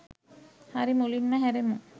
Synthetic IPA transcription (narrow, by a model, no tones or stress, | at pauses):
haɾimulinmaɦɛɾemu